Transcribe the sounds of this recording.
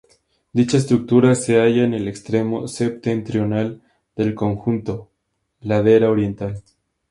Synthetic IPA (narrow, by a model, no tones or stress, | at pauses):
d̪it͡ʃaes̬t̪ɾuk̚t̪uɾase̞aʝaene̞lekst̪ɾe̞mo̞se̞p̚t̪e̞nt̪ɾjo̞nal | d̪e̞lko̞ŋxunt̪o̞ | laðe̞ɾaoɾje̞nt̪al